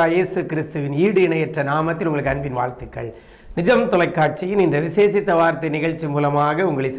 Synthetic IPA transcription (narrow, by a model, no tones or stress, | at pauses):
aːjeːsɯkɪɾɪst̪ɯʋɪniːɽɯɪɳɐjɛʈrɐnaːmɐt̪ːɪlʊŋɡɐɭɯkːɐnbɪnʋa̰ːɾt̪ɯkːɐ̰ɭ | nɪd͡ʒɐmt̪ɔlɐɪkːaːʈ̚t͡ʃɪjɪnɪnd̪ɐʋɪseːsɪt̪ːɐʋaːɾt̪ːɐnɪɣɐɭt͡ʃːimuːlɐmaːɣɐʊŋɡɐɭɪs